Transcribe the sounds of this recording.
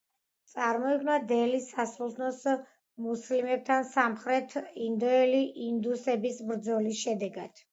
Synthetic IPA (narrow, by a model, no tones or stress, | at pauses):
t̪sʼaɾmɔiɡnad̪ɛlisasulˠt̪ʰnɔs | muslimɛp̚t̪ʰansamχɾɛt̪ʰind̪ɔɛliʔind̪usɛbisbɾd̪zɔlisʃɛd̪ɛɡad̪̥